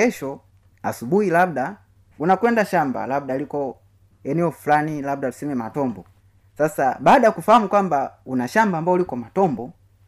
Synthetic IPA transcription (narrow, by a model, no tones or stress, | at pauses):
ɛʃɔ | asubuhilab̚da | unakwɛndaʃamba̰lab̚dalikɔ | ɛnɛɔfulanilab̚dalusɛmɛmatɔmbɔ | sasabaːdajakufahamukwambaunaʃambaːmbaulikɔmatɔmbɔ